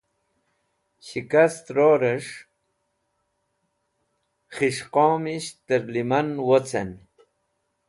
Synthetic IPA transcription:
ɕikast̪ɾoɾəʂ | χiʂqoːmiɕt̪əɾlimanwot͡sʰan

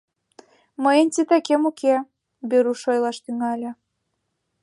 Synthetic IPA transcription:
məjənʲt̪ʲit̪ækemuke | beɾuʃojlɑʃt̪yŋɑlʲĕ

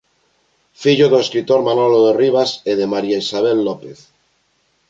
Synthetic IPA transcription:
fiʎoðoeskɾit̪oɾmanoloðeriβ̞aseðe̞maɾjaisaβ̞elːopeθ

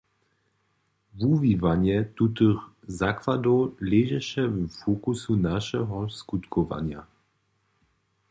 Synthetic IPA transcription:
vuvivaɲjɛt̪ut̪ɨx | zakvadɔwlɛːʒɛʃɛvfokusunaʃɛɦɔskut̪kʰɔʋa̰ɲja̰

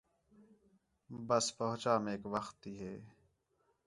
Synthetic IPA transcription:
bəspəɦʊt͡ʃaːmẽeːkʋəxt̪ːiːɦeː

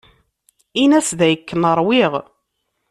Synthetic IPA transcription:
inæsðæjəkːənəɾˤwɪʁ

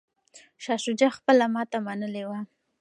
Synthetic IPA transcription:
ʃɑʃud͡ʒaxpəlamɑt̪amanəlewa

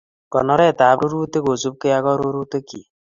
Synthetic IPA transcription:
kɔnɔɾɛt̪abɾuɾut̪eɡozub̚kejaɡɔɾuɾut̪eki

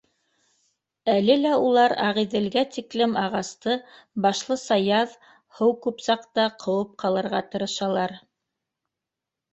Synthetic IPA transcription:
ælɘlæulˠɑɾɑ̰ʁiðɘ̆lɡæt̪iklɘmɑʁɑst̪ɤ | bɑʃlˠɤsɑjɑð | hɤwkʉpsɑqt̪ɑqʰɤ̆wɤp̚qʰɑlˠɤ̆ɾʁɑt̪ɤ̆ɾɤ̆ʃɑlˠɑɾ

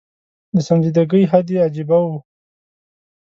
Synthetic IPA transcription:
d̪əsanzid̪aɡəjɦad̪ead͡ʒibawu

